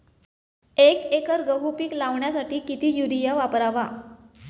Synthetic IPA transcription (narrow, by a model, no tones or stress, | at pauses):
ekekəɾɡəɦupiːklaʋɳjasaʈiːkit̪iːjuɾijaʋapɾaʋa